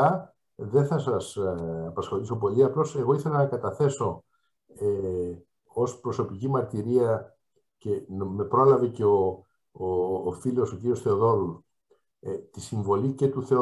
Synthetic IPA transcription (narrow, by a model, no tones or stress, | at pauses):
ɐ | ðeθɐsɐsɐpɐsxo̞liso̞p̬o̞liɐplo̞se̞ɣo̞iθe̞lɐnɐkɐt̪ɐθe̞so̞ | e | o̞spɾo̞so̞picimɐɾt̪iɾiɐ | ce̞nme̞pɾo̞lɐve̞ce̞o | filo̞so̞ciɾiosθe̞o̞ðo̞ɾu | t̪isiɱvo̞lice̞t̪uθe̞o